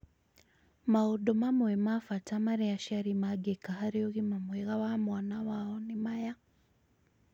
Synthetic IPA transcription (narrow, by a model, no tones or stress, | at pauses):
maodomamwemafatamaɾiaʃaɾimaɡekahaɾioɣimamweɣawamwaːnawaɔnimaja